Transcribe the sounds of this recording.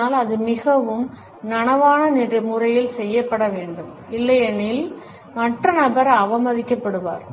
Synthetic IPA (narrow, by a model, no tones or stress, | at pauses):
aːlɐðɯmɪɣɐʋɯm | nɐɳɐʋaːnɐnɪndrɐmʊrɐjɪlsɛjːɐpːɐɽɐʋeːɳɖɯm | ɪlːɐjɐnɪl | mɐʈːrɐnɐbɐɾɐːʋɐmɐðɪkːɐpːɐɽɯʋa̰ːɾ